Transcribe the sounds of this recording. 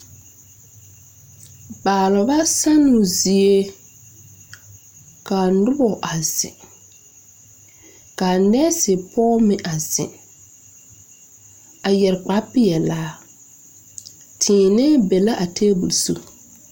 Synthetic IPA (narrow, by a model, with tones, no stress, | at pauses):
baː˨lʊ˨ba˦sa˦nʊ˨zi˨e˦ | ka˨nʊ˦bɔ˨ʔa˨z̥ɪ̰˨ | ka˨nɛː˦sɪ˨pɔː˦mɪ˨ʔa˨z̥ɪ̰̃˨ | a˨jɛ˨ɾk͡pa˨˦pɪ˦jɛ˨laː˨˦ | tʰɪ̃ː˨nɛ˦be˨la˦ʔa˨tʰeː˦bṵ˨lsṵ˦